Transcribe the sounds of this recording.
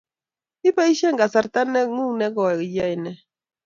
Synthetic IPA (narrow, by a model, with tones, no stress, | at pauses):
i˦pa˦i˦ʃe˦ŋɡa˨sa˨ɾt̪a˦ne˦ŋu˦ŋne˦ɡo˨e˨jajne˨